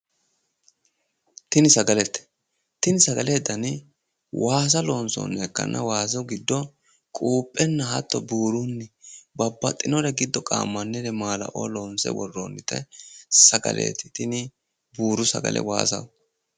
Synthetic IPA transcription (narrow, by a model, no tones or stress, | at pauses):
t̪ɪnɪsɐɡɐlɛt̪ːɛ̥ | t̪ɪnɪsɐɡɐleːd̪ɐn | wʔaːs̬ɐlo̞ːnsɔ̰ːnːɛɛkːɐ̰nːʔɐwaːs̬ɔɡɪd̪ːɔ | kʼuːpʼːɛnːɐɐt̪ːɔbuːɾunːɪbɐbːɐt̪ʼːɪnɔɾɛɡɪd̪ːɔkʼa̰ːmːɐnːɛɾɛmaːlɐ̰ʔo̰ːloːnsɛ̰wɔ̰rːoːnːɪt̪ɛsɐɡɐ̰lʔḛːt̪ɪ̥t̪ɪnɪ | buːɾʊsɐɡɐ̰lʔɛ̰wa̰ːsɐ̰w